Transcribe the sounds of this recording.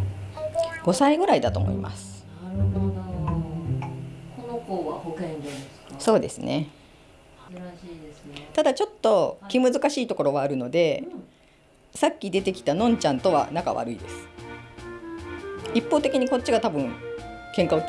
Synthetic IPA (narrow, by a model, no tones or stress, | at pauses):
ɡ̥o̞saiɡɯ̟ɾaid̪at̪o̞̰mo̰ḭmʔa̰sɨ̥ | ko | so̞ːd̪e̞sɨne̞ | t̪ad̪at͡ɕo̞t̪ːo̞kʲimɯ̟zɨkaɕiːt̪o̞ko̞ɾo̞βaːɾɯ̟no̞d̪e̞ | sakʲːid̪e̞t̪e̞kʲi̥t̪anõ̞ɲ̟t͡ɕãnt̪o̞β̞a̰naka̰βa̰ɾɯ̟id̪e̞sɨ̥ | ipːo̞ːt̪e̞kʲiɲ̟iko̞t͡ɕ̚ːiɡat̪abɯ̟̃ŋkẽ̞ŋkao